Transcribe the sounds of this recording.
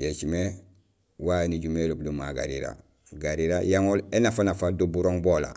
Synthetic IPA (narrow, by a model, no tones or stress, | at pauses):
jet͡ʃime | waniɟumelub̚dumaɡa̰ɾḭɾa̰ | ɡaɾiɾajaŋolenafanafaldubuɾoŋbola̰